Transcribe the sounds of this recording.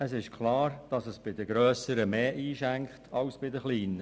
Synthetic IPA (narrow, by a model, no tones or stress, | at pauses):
əsɪʃkʰlɑːɾd̥ɑsəsb̥ɪdəɡɾœːsəɾəmeːʔiːʃæŋkχtʰɑwsb̥ɪdəχliːnə